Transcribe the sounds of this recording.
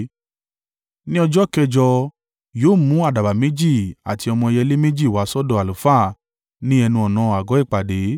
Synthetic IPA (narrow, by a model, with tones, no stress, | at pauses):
nĩ˦ɔ˧d͡ʒɔ˦kɛ˧d͡ʒɔ˧ | joː˨˦˨mũ˨˦a˦˨da˨ba˨mẽ˨˦d͡ʒi˦˨a˨ti˧ɔ˧mɔ̃˧ɛ˧jɛ˧le˦me˦d͡ʒi˦˨wa˨˦sɔ˦dɔ˦˨a˨lu˨fa˦˨ | nĩ˦ɛ˧nũ˧ɔ˨nã˨˧a˨ɡɔ˨˦i˦˨k͡pa˨de˨˦